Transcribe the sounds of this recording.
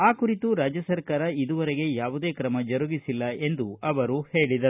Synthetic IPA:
aːkuɾit̪uɾaːd͡ʒjɐsɐɾkaːɾɐid̪uʋɐɾeɡe̞jaːʋud̪e̞ːkɾɐmɐd͡ʒɐɾuɡisilːɐe̞nd̪uɐʋɐɾuhe̞ːɭid̪ɐɾu

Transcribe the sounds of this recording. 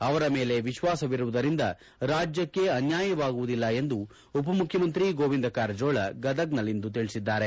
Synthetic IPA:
ɐʋɐɾɐme̞ːle̞ʋiʃʋaːsɐʋiɾuʋud̪ɐɾind̪ɐ | ɾaːd͡ʒjɐkːe̞ɐnjaːjɐʋaːɡuʋud̪ilːɐe̞nd̪u | upɐmukʰjɐmɐnt̪ɾiɡoːʋind̪ɐkaːɾd͡ʒoːɭɐɡɐd̪ɐɡnɐlind̪ut̪iɭisid̪ːaːɾe̞

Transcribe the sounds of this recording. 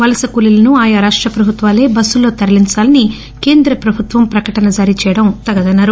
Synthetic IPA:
ʋɐlɐsɐkulilɐnuaːjaɾaːʂʈɾɐpɾɐbʱut̪ʋaːle̞ːbɐsːulo̞ːt̪ɐɾɐliɲt͡ʃaːlɐni | ke̞ːnd̪ɾɐpɾɐbʱut̪ʋɐmpɾɐkɐʈɐnɐd͡ʒaːɾit͡ʃɛːjɐɽɐmt̪ɐɡɐd̪ɐnːaːɾu

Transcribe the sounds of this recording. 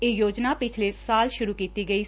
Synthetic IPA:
eːjoːd͡ʒnaːpɪt͡ʃʰleːsaːlʃʊɾuːkiːt̪iːɡəiː

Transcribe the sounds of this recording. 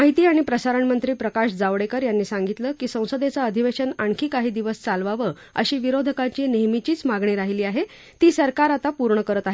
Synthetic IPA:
aɦit̪iːaɽ̃ipɾəsaɾəɳmənt̪ɾiːpɾəkaɕd͡zaʋɽekəɾjanːiːsaŋɡit̪ləːkiːsə̃w̃səd̪et͡saəd̪ʱiʋeɕənaɳkʰiːkaɦiːd̪iʋəst͡salʋaʋə | ə̰ɕiːʋiɾod̪ʱəkat͡ɕiːneɦmit͡ɕiːt͡smaɡɳiːɾaɦiliːaɦe | t̪iːsəɾkaɾat̪apuɾɳəkəɾət̪aɦe

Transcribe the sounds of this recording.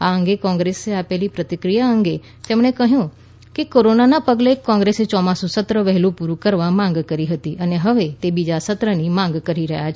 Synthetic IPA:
aəŋɡekɔ̃ŋɡɾeseapɛlipɾət̪ɪkɾijaə̃ŋɡe | t̪ɛːmɳ̃ekəɦjũ | kekoɾonanapəɡlekɔ̃ŋɡɾeset͡ʃɔmãsũsət̪ɾəʋɛɦlũpuɾukəɾʋamãŋɡkəɾiɦət̪iʔəneɦəʋet̪ebid͡ʒasət̪ɾənimãŋ̆ɡkəɾiɾəɦjat͡ʃʰ

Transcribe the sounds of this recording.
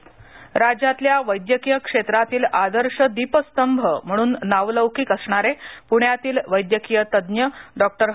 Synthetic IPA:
ɾad͡ʑat̪ljaʋəjd̪jəkijəkʂet̪ɾat̪iːlad̪əɾʂəd̪ipəst̪əmbʱəm̤əɽ̃uːnːaʋləʋkiːkəsɳ̃aɾepuɳjat̪iːlʋəjd̪jəkijət̪əd̪njəɖɔk̚ʈəɾ

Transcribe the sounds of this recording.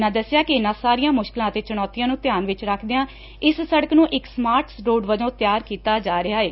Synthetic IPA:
nãːd̪əsːɪjaːkɪɪnãːsaːɾiːãːmʊʃkɪlãːət̪eːt͡ʃəɽ̃ɔːt̪ɪjãːnũːt̪jaːnʋɪt͡ʃɾəkʰd̪eãː | ɪssəɽəknũːʔɪksmaːɾʈsɾoːɖʋəd͡ʒõːt̪ɪjaːɾkiːt̪aːd͡ʒaːɾɪɦaːeː

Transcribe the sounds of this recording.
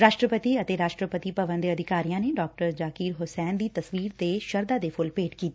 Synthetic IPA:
ɾaːʃʈɾəpət̪iət̪eːɾaːʃʈɾəpət̪ipəʋənd̪eəd̪ʱɪkaːɾijãːneːɖɔːk̚ʈəɾd͡ʒaːkiːɾɦʊsɛːnd̪iːt̪əsʋiːɾt̪eːʃəɾd̪aːd̪eːpʰʊlpeːʈkiːt̪ː

